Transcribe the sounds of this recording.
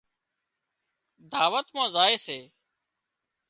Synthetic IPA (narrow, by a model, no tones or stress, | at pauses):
d̪aːʋət̪mãːzaːeːseː